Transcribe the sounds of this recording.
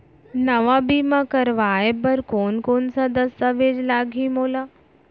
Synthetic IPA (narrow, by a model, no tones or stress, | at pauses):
nəʋabiːmãkəɾʋaːebəɾkoːnkoːnsad̪əsːaʋeːd͡ʒlaːɡʱĩmoːla